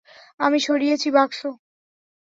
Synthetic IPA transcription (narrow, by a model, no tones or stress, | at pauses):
amiʃoɽijet͡ɕʰibakʃo